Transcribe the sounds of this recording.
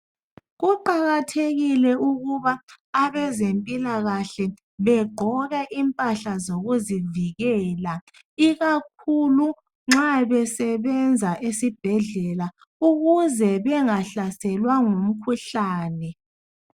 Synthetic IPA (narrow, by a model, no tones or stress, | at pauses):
ɣuǃaɣatʰeɣilɛuɣuβaː | βɛzempʼilaɣaɬɛ | βɛɡ͡ǃʱɔɣɛʔimpʼaɬazoɣuziviɣɛːla | iɣak̚ʰulu | ŋ͡ǁaβɛsɛβɛnd͡zʱaʔesib̥ʱɛɮɛla | uɣuzɛβɛŋaɬasɛlwaŋum̩kʰuɬaːnɛ